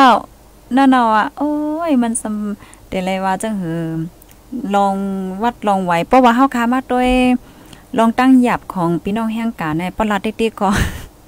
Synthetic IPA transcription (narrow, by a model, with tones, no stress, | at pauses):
a˧˩w | naː˧˩˨na˧˨waː˧˩ʔoː˧˨jma˧˥˨nsa˧m | t̪e˨˩la˧˩jwaː˧t͡ɕa˧˥˨ŋɦɯː˨˦ | lɔː˧ŋwa˧˩t̪̚lɔː˧˩ŋwa˨˦jpʰɔː˧˥waː˧ɦa˧˨wkʰaː˧˨maː˧˥˨t̪u˧˥˨j | lɔː˧˨ŋt̪aː˧˥˨ŋjaː˧˩p̚kʰɔː˨˦ŋpiː˧˦nɔː˧˨ŋɦɛː˧˥˨ŋkaː˨nːa˧˩jpɔ˧˩la˧t̪̚di˧t̪i˧˩kʰːɔ˧˩